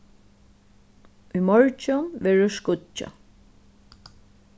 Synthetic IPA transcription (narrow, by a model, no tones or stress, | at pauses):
ujmɔɹt͡ʃʊnʋɛːɹʊskʊt͡ʃːa̰